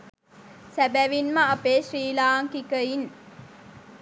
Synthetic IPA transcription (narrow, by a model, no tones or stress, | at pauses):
sæbæʋinmɐɐpeːʃɾiːlaːŋkikəin